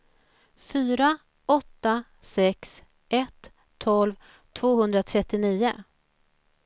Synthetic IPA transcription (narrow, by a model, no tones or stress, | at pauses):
fyːɾa | ɔt̪ːa | sɛks | ʔɛt̪ʰː | ɔlv | t̪ʰvoːhɵnd̪ɾat̪ʰɾɛt̪ːɪniːʊ